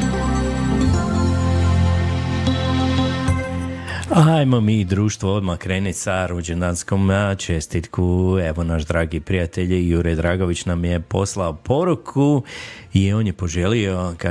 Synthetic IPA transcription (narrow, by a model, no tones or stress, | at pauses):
ajmo̞miːd̪ɾuːʃt̪ʋood̪makɾe̞ːnit̪saɾud͡ʒenansko̞mnat͡ʃe̞st̪it̪kue̞ʋo̞naʃd̪ɾaːɡipɾijat̪e̞ʎjuɾed̪ɾaːɡo̞ʋit͡ɕnamje̞po̞̰slaopʰo̞ɾukʰuio̞ːnjepo̞ʒe̞lio̞ka